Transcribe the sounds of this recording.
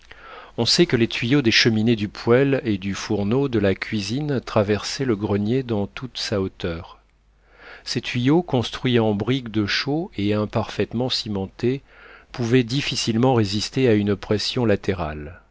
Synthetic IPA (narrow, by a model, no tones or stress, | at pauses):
ɔ̃sɛkəlet̪ɥijod̪eʃəmined̪ypʰwɛled̪yfuʁnod̪əlakʰʲɥizint̪χavɛʁsɛləɡʁənjed̪ɑ̃t̪ut̪saot̪œːʁ | sɛt̪ɥijokɔ̃st̪χɥiɑ̃bʁikd̪əʃoeɛ̃paʁfɛt̪mɑ̃simɑ̃t̪epuvɛd̪ifisilmɑ̃ʁezist̪eaynpχɛsjɔ̃lat̪eʁa̰l